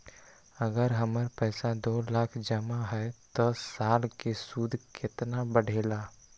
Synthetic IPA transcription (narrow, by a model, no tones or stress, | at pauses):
əɡəɾɦəməɾpɛːsad̪oːlaːkʰd͡ʒəmaɦɛt̪ɔsaːlkesuːd̪ʱkɪt̪nabəɽ̤ʱeːlaː